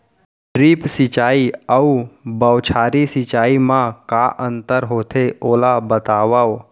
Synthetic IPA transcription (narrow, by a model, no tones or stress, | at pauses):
ʈɾiːpsɪt͡ʃaːiəubəwt͡ʃʰaːɾisɪt͡ʃaːimãkaʔə̃nt̪əɾɦoːt̪ʰeoːlabət̪aːʋaw